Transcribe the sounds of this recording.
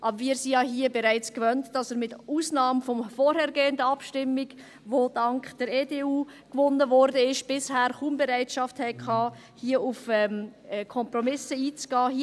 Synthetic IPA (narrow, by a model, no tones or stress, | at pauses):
ʔɑbəɾviːɾsijɑːɦiəbɛɾaɪt͡skvœntd̥ɑsəɾmɪtuːsnɑːmfɔmfɔːɾhɛːɾɡeːəndəɑpʃtɪmːɪɡ | vod̥ɑŋkχd̥əɾeːdeːuː | kvʊnəvɔɾdəɪʃb̥ɪshæːɾχumbɛɾaɪtʃɑfthɛɪkʰɑː | hiːəufɛmɛkʰɔmprɔmɪsəiːt͡sɡ̥ɑːhi